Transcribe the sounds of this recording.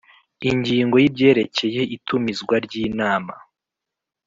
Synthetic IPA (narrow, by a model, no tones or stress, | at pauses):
iɲɟiːŋɡo̞jib̚ɟe̞ːɾe̞ce̞je̞itʰumizɡwaɾɟiːnaːma